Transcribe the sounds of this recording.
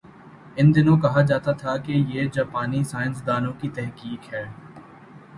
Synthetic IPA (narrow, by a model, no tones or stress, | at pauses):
ɪnd̪ɪnõkɐɦad͡ʒaːt̪at̪ʰakejeːd͡ʒaːpaːnisaːɪnsd̪aːnõkit̪ɛɦkiːkɦɛː